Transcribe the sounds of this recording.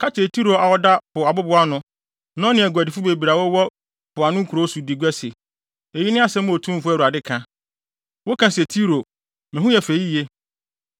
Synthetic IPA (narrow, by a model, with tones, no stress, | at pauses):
kʰa˦t͡ʃʰɪ˨e˨tʰi˦ɾo˨a˨wɔ˦da˦pʊ˨a˨bʊ˦bʊ˦a˦nʊ̃˦ | nɔ̃˦nɪ̃˨ɛ˨ɡʊ˨æ˨dɪ˨fʊ˦be˨bi˨ɾa˨wɔ˦wɔ˦ | pʊ˨a˨nʊ̃˦kʰu˨ɾo˨˦su˨di˨ɡʷɛ˦se˨ | e˨ji˦nɪ̃˦a˦sɛ̃˦m˦o˨tʰũ˦m̩˦fʊ˦ɛ˦˨u˨a˨dɪ˦kʰã˨ | wo˦kʰã˨sɛ˨tʰi˦ɾo˨ | mɛ̃˨ɦu˦jɛ˨fe˨ji˦e˦